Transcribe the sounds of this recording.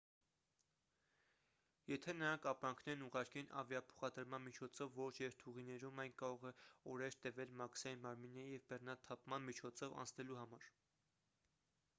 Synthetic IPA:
jɛt̪ʰɛnəɾɑŋkʰɑpɾɑŋkʰnɛɾnuʁɑɾkɛnʔɑ̰vjɑpʰɔ̥χɑd̪əɾmɑnmit͡ʃʰɔt͡sʰɔvːɔt͡ʃʰjɛɾt̪ʰuʁinɛɾumɑjnkɑɾɔʁɛɔɾɛɾt̪ɛvɛlmɑksɑjinmɑɾminːɛɾijɛvbɛrnɑt̪ʰɑpmɑnmit͡ʃʰɔt͡sʰɔvɑ̰nt͡sʰnɛluhɑmɑɾ

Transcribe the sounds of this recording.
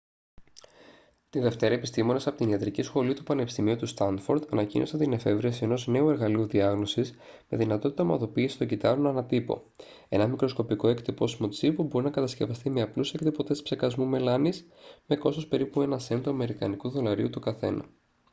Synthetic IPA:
t̪iðe̞ft̪e̞ɾɐepist̪imo̞ne̞sɐpot̪iniɐt̪ɾicisxo̞lit̪upɐnepist̪imiot̪ust̪ɐnfo̞ɾd̪ɐnɐcḭnʔo̞sɐnt̪ine̞fe̞vɾiɐsie̞no̞zne̞ue̞ɾɣɐliuðiɐɣno̞sis | me̞ðinɐt̪o̞t̪it̪ɐmɐðo̞piːsi̥st̪o̞ɟit̪ɐɾonɐnɐt̪ipo̞̰ | e̞̰nɐmikɾo̞sko̞piko̞ekt̪ipo̞simo̞t͡sipobo̞ɾinɐkɐt̪ɐsce̞vɐst̪ime̞ɐplusekt̪ipo̞t̪espse̞kɐzmume̞lɐnisme̞ko̞sospe̞ɾipue̞nɐse̞nd̪oɐme̞ɾikɐnikuðo̞lɐɾiut̪ukɐθe̞̰nɐ̰

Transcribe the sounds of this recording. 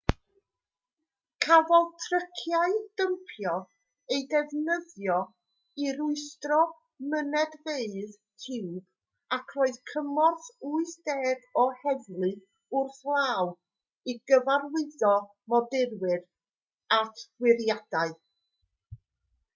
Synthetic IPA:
kʰavɔlˠtʰrəkʰjaɨd̥əmpʰjɔ | ejdɛvnəðjɔ | iɾʊɨstrɔ | mənɛdveɨð | tʰɪwb̥ | akʰroːɨðkʰəmɔrθuːɨsd̥ɛːdɔhɛvlˠɨ | ʊrθlˠaːw | iɡəvarwɪðɔ | mɔdɪrwɪr | atʰwɪɾjad̥aɨ

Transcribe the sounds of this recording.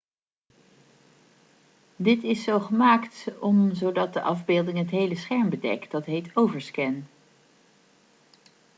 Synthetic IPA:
dɪtɪsːowχəmaːktɔmzowdɑt̚dəʔɑvbeːlˠdɪŋɦətɦejləsχɛɹmbədɛ̰kt̚dɑtɦejtowvəɹskɛn

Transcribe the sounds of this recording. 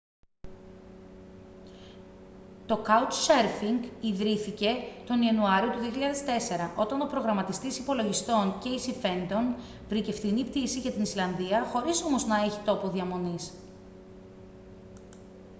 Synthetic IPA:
t̪o̞kɐutseɾfiŋɡiðɾiθice̞t̪o̞niɐnuɐɾio̞t̪uðio̞çiʎɐðe̞st̪e̞se̞ɾɐʔo̞t̪ɐno̞pɾo̞ɣɾɐmɐt̪ist̪isipo̞lo̞ʝist̪o̞nce̞isife̞nd̪o̞n | vɾice̞fθinipt̪isiʝɐt̪inislɐnðiɐxo̞ɾiso̞moznɐe̞çit̪o̞po̞ðiɐmo̞nis

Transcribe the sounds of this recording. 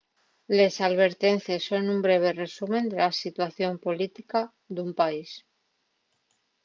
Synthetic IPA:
le̞salβ̞e̞ɾt̪e̞nθesːonumbɾe̞β̞e̞re̞sumẽ̞nd̪e̞lasit̪waθjo̞mpo̞lit̪ika | d̪umpais

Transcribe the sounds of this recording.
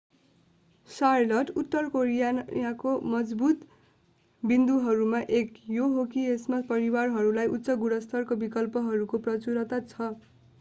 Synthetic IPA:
sarlʌʈut̪ːʌrkoɾijajakomʌd͡zbut̪ | bind̪uɦʌɾumaʔekjoɦokiesmapʌɾiwarɦʌɾulajʔut̪ːsʌɡuɽʌst̪ʰʌrkobikʌlpʌɦʌɾukoprʌt͡suɾʌt̪at͡sʰʌ

